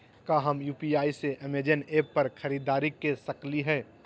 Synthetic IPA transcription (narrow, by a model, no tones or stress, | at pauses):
kaɦɐmjuːpiaːiseʔɪmeɾd͡ʒəneːpːɐɾkʰɐɾiːd̪aːɾikːesɐkliɦɛː